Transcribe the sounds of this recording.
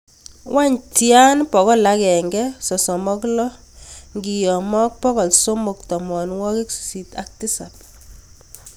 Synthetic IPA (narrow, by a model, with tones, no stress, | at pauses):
wa˦ɲtja˦npɔ˨ɣɔ˦la˦kɛ˨ŋɡɛ˦sɔ˨sɔ˨mɔ˦klɔ˦ | ŋɡi˨jɔ˨mɔ˦k̚pɔ˦ɣɔ˨lso˦mo˨ktɔ˨mɔ˨nwɔ˦kɪ˦kssi˨ta̰˦k̚ti˦sa˨p